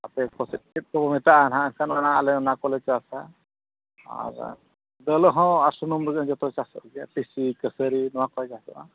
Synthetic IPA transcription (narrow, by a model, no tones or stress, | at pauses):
apɛkʰɔsit̪̚kit̪̚kɔbɔmɛt̪aʔanɦãənkʰanmanaalɛnakɔlɛt͡ʃɔasa | a̰ɾ | d̪əlɔɦɔ̃aɾsɔnumɾəɡənd͡ʒɔt̪ɔt͡ʃasɔ̰ʔɡijapisikəsəɾinɔwakɔjd͡ʒasɔ̰ʔa̰